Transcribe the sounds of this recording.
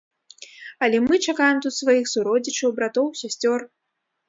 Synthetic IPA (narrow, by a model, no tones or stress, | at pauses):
ɐlʲɛmɨt͡ʂakajɛmt̪ut̪svajixsuɾɔd͡zʲit͡ʂɐwbɾat̪ɔwsʲasʲt͡sʲɔr